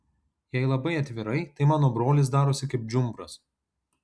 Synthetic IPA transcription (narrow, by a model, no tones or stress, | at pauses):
jɛɪlˠɐbɐɪɐt̪ʲʋʲɪɾɐɪt̪ɐɪmɑːnoːbɾoːlʲɪs̬d̪ɑːɾosʲɪkɐɪp̚d͡ʒʲʊmbɾɐs